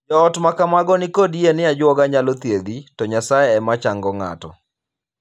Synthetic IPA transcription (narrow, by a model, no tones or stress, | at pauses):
d͡ʒɔːtmakamaɡɔnɪkodienɪad͡ʒwɔɡaɲalɔt̪jed̪itɔɲasajɛɛmat͡ʃaŋɡɔŋa̰tɔ̰